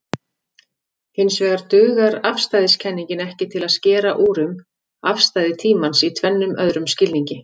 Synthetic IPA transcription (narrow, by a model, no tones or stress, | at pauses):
hɪnːsvɛːɣaɾt̪ʏːɣaɾafst̪ajðɪscʰɛnːiɲcɪnɛhcɪt̪ʰɪlaðscɛːɾaʔuːɾʏm | afst̪aːjðɪt̪ʰiːmansit̪ʰvɛnːʏmœðɾʏmscɪlniɲcɪ